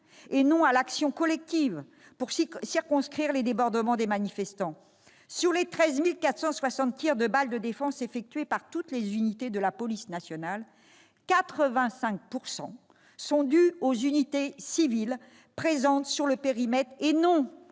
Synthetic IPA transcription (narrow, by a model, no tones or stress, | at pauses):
enɔ̃alaksjɔ̃kɔlɛk̚t̪iv | puʁsiʁkɔ̃skχiʁled̪ebɔʁd̪əmɑ̃d̪emanifɛst̪ɑ̃ | syʁlet̪χɛzmilkat̪χsɑ̃swasɑ̃t̪t̪iʁd̪əbald̪əd̪efɑ̃sefɛk̚t̪ɥepaʁt̪ut̪lezynit̪ed̪əlapɔlisnasjɔnal | kat̪χəvɛ̃sɛ̃k̚puʁsɑ̰̃ | sɔ̃d̪yozynit̪esivil | pχezɑ̃t̪syʁləpeʁimɛt̪χenɔ̃